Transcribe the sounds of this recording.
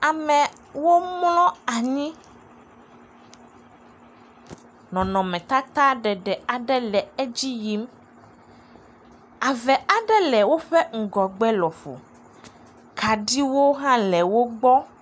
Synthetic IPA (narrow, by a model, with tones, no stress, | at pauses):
a˨mɛ̃˨ | wo˦mlɔ̃˦a˨ɲĩ˦ | nɔ̃˨nɔ̃˨mɛ̃˨t̪a˦t̪a˦ɖɛ˨ɖɛ˨a˨ɖɛ˦lɛ˨ɛ˦d͡ʑi˦ji˦m | a˨vɛ˨a˨ɖɛ˦lɛ˨wo˦ɸɛ˦ŋ̩˨ɡɔ˨ɡ͡bɛ˦lɔ˨fo̰˨ | ka˨ɖi˦wo˦ɦã˦lɛ˨wo˦ɡ͡bɔ˦